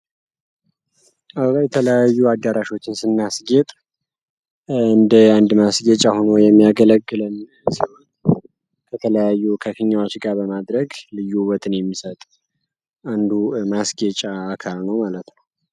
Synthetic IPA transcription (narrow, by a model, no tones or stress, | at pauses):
ʔajɛt̪ʰələjajːuad̪ːəɾaʃo̞t͡ʃːɪnsɨnːasɡet̪ʼ | ɨnd̪əand̪masɡet͡ʃʼaho̞nojɛmːijaɡələɡːɨlɨn | sihon | kʰət̪ʰələjajːukʰəkɨɲːawat͡ʃɡabəmad̪ɾəɡlɨjːuwɔt̪ʰɨnjɛmːisət̪ʼ | and̪umasɡet͡ʃʼaːkʰalnəwmalət̪nəww